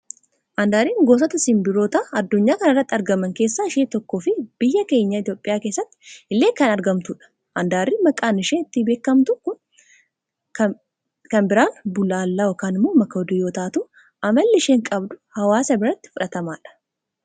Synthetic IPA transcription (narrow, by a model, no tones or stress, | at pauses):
ʔɐnd̪aːɾiːŋɡo̞ːs̬ɐt̪ɐsɪmbɪɾoːt̪ɐɐd̪ːʊɲːaːkɐnɐrːɐt̪ːɪɐɾɡɐmɐŋke̞ːsːaːɪʃeːt̪ɔkːoːfɪb̥ɪjːɐke̞ːɲːɐɪt̪ijo̞ːpʼːɪjaːkeːsːɐt̪ːɪ̥ɪlːeːkɐnɐɾɡɐmt̪ʊᶑɐ̥ | ʔɐnd̪aːɾːimɐkʼaːnɪʃeːɪt̪ːɪbe̞ːkːɐmt̪ʊkʊ | kɐnbɪɾaːnbʊlaːlːɐɔkaːnɪmːoːmɐkːɐɔd̪ʊjoːt̪aːt̪uː | ɐmɐlːɪɪʃeːŋkʼɐbd̪ʊhɐwaːsɐbɪɾɐt̪ːɪ̥fʊᶑɐt̪ɐmaːᶑɐ̥